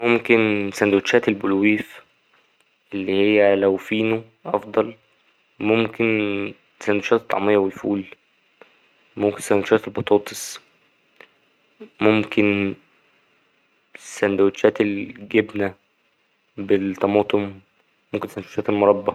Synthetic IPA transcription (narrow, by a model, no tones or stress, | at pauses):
momkensænd̪wet͡ʃʃæːt̪elbolwiːf | ʔelːihejːælæwfiːno | ʔɑfd̪ˤɑl | momken | sænd̪wʃæːt̪et̪ːɑ̰ʕmejːɑwelfuːl | momkensænd̪wʃæːt̪elbɑt̪ˤɑːt̪ˤe̥sˤ | momken | sænd̪æweʃæːt̪elɡebnæ | bet̪ˤːɑmɑːt̪ˤomː | omkensænd̪wʃæːt̪elmoɾˤɑbːɑ